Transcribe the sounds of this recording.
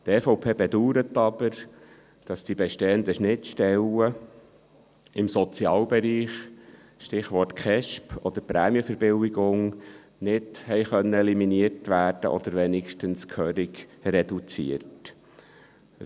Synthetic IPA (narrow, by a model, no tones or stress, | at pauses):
t̪ɛfowpʰeːbɛd̪uːɾət̪ːɑbəɾ | d̥ɑsd̥ibɛʃteːənd̪əʃnɪt͡sʃtɛlə | ɪmsɔt͡sjɑːlbɛɾiːχ | ʃtɪχʋɔrtkʰɛʃpʰɔd̪əɾpɾæːmiəfəɾb̥ɪwɪɡʊŋ | nɪdhɛɪχœnːəɛliminiəɾtʋæːrd̥ə̰ʔɔ̰d̪əɾʋenɪkʃtənskʰœɾɪɡrɛd̥ut͡sḭərt | ə